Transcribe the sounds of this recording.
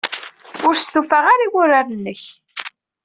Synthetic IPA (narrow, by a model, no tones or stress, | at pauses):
ʊɾsθufaʁaɾiwʊɾaɾənːəç